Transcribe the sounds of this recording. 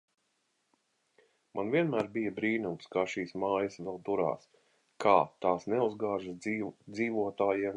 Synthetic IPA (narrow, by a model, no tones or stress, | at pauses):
mʔanvʲiɛnmæːɾbijɐbɾiːnumskaːʃiːsmaːjɐsʋɛlˠt̪uɾa̰ːs | kʰaːt̪aːsnɛuzɡaːʒəsd̪ziːvuɔt̪aːjiɛm